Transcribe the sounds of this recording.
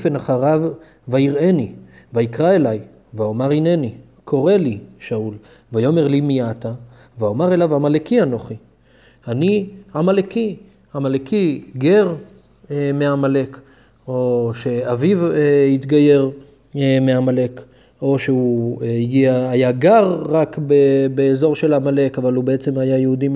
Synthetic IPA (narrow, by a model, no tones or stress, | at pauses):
fenaχaʁav | vajiʁe̞ni | vaikʁae̞laj | vaomaʁine̞ni | kʰo̞ʁe̞liʃaul | vajo̞me̞ʁlimijat̪a | vaomaʁelavamalekiano̞χi | aniamaleki | amalekiɡe̞ʁ | meamale̞k | o̞ʃe̞avivit̪ɡaje̞ʁ | meamale̞k | o̞ʃeuiɡiaːjaɡaʁʁakbebeːzo̞ʁʃe̞lamale̞kavalubeet͡se̞majajeud̪im